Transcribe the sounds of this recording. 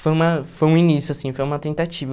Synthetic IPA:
fojũmɐfojũinisjʊasĩfojũmɐt̪ẽt̪at͡ʃivɐ

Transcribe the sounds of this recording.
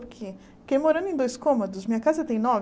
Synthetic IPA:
ɾkʰɪ | kejmoɾɐ̃nʊẽj̃d̪ojskõmod̪ʊsmĩɲɐkazɐt̪ẽj̃nɔv

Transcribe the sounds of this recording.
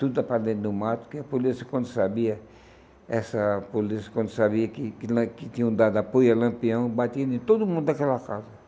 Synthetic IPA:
t̪ud̪ʊt̪apaɾd̪ẽd̪nʊmat̪u̥kɪɐpolisɐkwɐ̃nd̪ʊsabiɐ | ɛsɐpolisɐ̥kwɐ̃nd̪ʊsaβiɐkɪkl̃kɪt̪ĩɲũd̪ad̪apojɐlɐ̃mpiɐ̃w̃bat̪iɐ̃nẽt̪od̪umũnd̪d̪akɛlɐkazɐ

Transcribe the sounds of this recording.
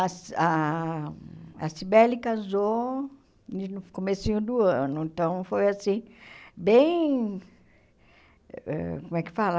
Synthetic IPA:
asa | a̰sibɛlikazo | ʊkomesĩɲʊd̪uɐ̃nʊẽt̪ɐ̃w̃fojasĩbẽj̃ | ɛ̰komɛkɪ̥fala

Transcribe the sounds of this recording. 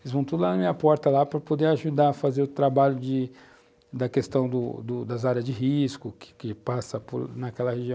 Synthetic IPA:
elɪzvɐ̃w̃t̪ud̪ʊlanɐmĩɲɐpɔɾt̪ɐlapɾɐpod̪eaʒud̪aɐfazeɾʊt̪ɾabaʎʊd͡ʒɪ | d̪ɐkest̪ɐ̃w̃d̪ʊ̰d̪ʊd̪ɐzaɾjɐzd͡ʒɪɦiskʊkɪ̥kɪpasɐpʊ̰ɾnɐkɛlɐheʒiɐ̃w̃

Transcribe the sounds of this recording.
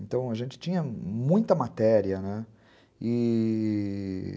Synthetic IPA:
ẽnt̪ɐ̃w̃ɐʒẽnt͡ʃɪ̥t͡ʃĩɲɐmũj̃t̪ɐmat̪ɛɾiɐnɛ | ɪ

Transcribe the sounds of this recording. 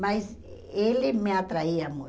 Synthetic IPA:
mɐjz | elɪmeat̪ɾaiɐmu

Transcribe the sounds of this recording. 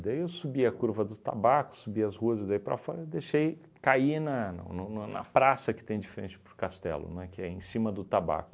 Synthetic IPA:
d̪aiewsubiɐkuɾvɐd̪ʊt̪a̰bakʊ̥subiɐzhuɐzd̪ajpɾɐ̰fɔɾɐd̪eʃej | kainɐñ̰nʊnunɐ̰pɾasɐkɪ̥t̪ẽj̃d͡ʒifeɾẽt͡ʃɪ̥pɾʊkast̪ɛ̰lʊ̰nɛkɪɛẽsĩmɐd̪ʊt̪aba̰kʊ

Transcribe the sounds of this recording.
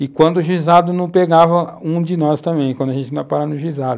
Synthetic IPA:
ɪkwɐ̃nd̪ʊʒizad̪ʊnɐ̃w̃peɡavɐũd͡ʒɪnɔst̪ɐ̃mẽj̃kwɐ̃d̪ʊaʒẽnt͡ʃɪñpaɾavnʊʒizad̪ʊ

